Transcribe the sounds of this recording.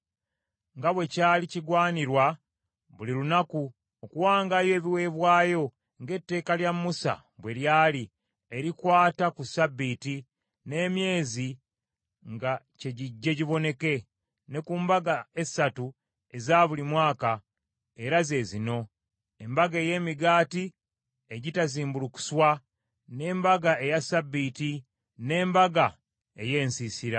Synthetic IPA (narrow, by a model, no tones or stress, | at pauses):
ŋɡaβwe̞caːliciɡwaːniɾwa | βuliɾunaku | okuwaːŋɡajo̞ːβiwe̞βwaːjo̞ | ŋɡe̞tːe̞ːkaljamːusa̰ | βwe̞ljaːli | e̞ɾikwaːtakusabːiti | ne̞ːmje̞ːzi | ŋɡa | ce̞ɟiɟːe̞ɟiβo̞ne̞ke̞ | ne̞kuːmbaɡae̞satu | e̞zaːβulimwaːka | e̞ɾaze̞ːzino̞ | e̞mbaɡeːje̞ːmiɡaːti | e̞ɟitaziːmbuluku̥swa | ne̞ːmbaɡae̞jasabːiti | ne̞ːmbaɡa | e̞je̞ːnsisiɾa